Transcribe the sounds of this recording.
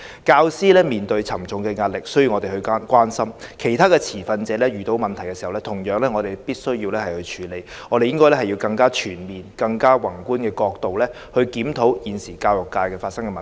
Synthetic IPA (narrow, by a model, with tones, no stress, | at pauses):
kaː˧wsiː˥lɛː˥miː˨nt̪ɵ˧ɥt͡sʰɐ˨˩mt͡sʊ˨˧ŋkɛː˧ŋaː˧t̚lɪ˨k̚sɵ˥jiː˧wŋɔ˨˧t̪e˨˩hɵ˧ɥkʷwaː˥nsɐ˥mkʰe˨˩jt̪ʰaː˥kɛː˧t͡sʰiː˨˩fɐ˧nt͡sɛː˨˧˥lɛː˥jyː˨t̪o˨˥wmɐ˨nt̪ʰɐ˨˩jkɛː˧siː˨hɐ˨wlɛ˥t̪ʰʊ˨˩ŋjœː˨˥ŋlɛː˥ŋɔː˨˧ɾe˨jpiː˥t̚sɵ˥ɥjiː˧wlɛː˥hɐ˨jhɵ˧ɥt͡ʃʰyː˨˧le˨˧j | ŋɔː˨˧ɾe˨jɪ˥ŋkɔː˥jlɛ˥hɐ˨ji˧wkɐ˧ŋkaː˥t͡ʃʰyː˨˩nmiː˨nkɐ˧ŋkaː˥wɐ˨˩ŋkuː˥nkɛː˧kɔː˧k̚t̪o˨wlɛː˥ | hɵ˧ɥkiː˨˥mt̪ʰo˨˥wjiː˨nsiː˨˩kaː˧wjʊ˨kːaː˧jkɛː˧faː˧t̚sɐ˥ŋkɛː˧mɐ˨